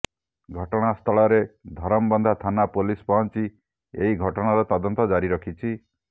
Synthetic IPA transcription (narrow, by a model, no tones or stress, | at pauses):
ɡʱɔʈɔɽ̃ast̪ʰɔɭɔɾed̪ʱɔɾɔmbɔnd̪ʱat̪ʰanapulispɔɦɔnt͡ʃi | ḛɦiɡʱɔʈɔɽ̃aɾɔt̪ɔd̪ɔnt̪ɔd͡ʒaɾiɾɔkʰit͡ʃʰi